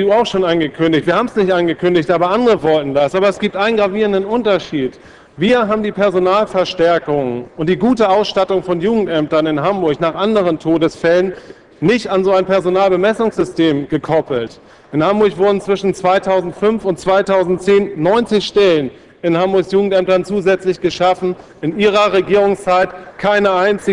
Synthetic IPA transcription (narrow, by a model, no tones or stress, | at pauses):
duːaʊxʃoːnanɡəkʰʏndɪçtv̥iːɐhaːbm̩snɪçtʔanɡəkʰʏndɪçtʔaːbɐʔandʁəvɔltn̩dasʔaːbɐɛsɡ̥iːp̚tʔaɪnənɡʁaviːʁəndənʊntɐʃiːt | viːɐɦaːbm̩diːpʰɛɐzonaːlfɛɐʃtɛɐkʊŋəʊnt̚d̥iːɡuːtəaʊsʃtatʊŋfɔnjuːɡŋ̩tʔɛmtɐnɪnɦambʊɐçnaːχʔandəʁ̞əntʰoːdəsfɛlənː | ɪçtanzoːaɪnpɛɐzonaːlbəmɛsʊŋsz̥ʏstʰeːmɡəkʰɔpl̩t | ʔɪnhambʊɐçv̥ʊɐdn̩t͡sv̥ɪʃn̩t͡sv̥aɪtʰaʊzn̩tfʏnfʊntt͡sv̥aɪtʰaʊzn̩tt͡seːnːɔʏnt͡sɪçʃtɛlən | ɪnhambʊɐçsjuːɡŋ̩tʔɛmtɐnt͡suːzɛt͡slɪçɡ̥əʃafn̩ | ɪnʔiːʁ̞ɐʁeɡiːʁ̞ʊŋst͡saɪtkʰaɪnəʔaɪnt͡sɪ